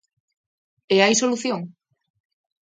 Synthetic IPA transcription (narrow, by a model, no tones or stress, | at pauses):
eajsoluθjoŋ